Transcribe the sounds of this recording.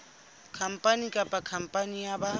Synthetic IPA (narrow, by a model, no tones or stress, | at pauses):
kʰam̩pʼanikʼapʼakʰam̩pʼanijaba